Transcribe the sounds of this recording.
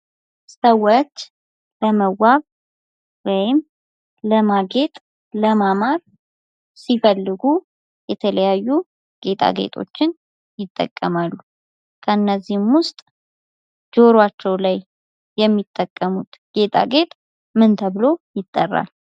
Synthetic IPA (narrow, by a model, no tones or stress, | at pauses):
səwot͡ʃː | ləməwaβ | wɔjɪm | ləmaɡe̞t̪ʼ | ləmamaɾ | sifəlːɨɡu | jɛt̪ʰələjajːu | ɡ̥e̞t̪ʰʼa̰ɡe̞̰t̪ʼʰo̞̰t͡ʃːɪn | jɪt̪ʼːə̰kʼːəmalːu | kʰəɨnːəzːihmwʊst̪ʼ | d͡ʒo̞ɾwat͡ʃːɛwlajː | ɛmːit̪ʼːəkʼːəmut̪ɡ̥e̞t̪ʼʰa̰ɡe̞t̪ʼ | mɨnt̪ʰəβɨlo̞jɪt̪ʼːərːa̰l